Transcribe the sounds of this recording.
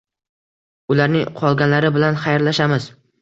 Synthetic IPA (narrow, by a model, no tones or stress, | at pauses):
ʊlaɾnɪŋqʰɒlˠɡʲanlaɾɪbɪlanχajɾlaʃamɪz̥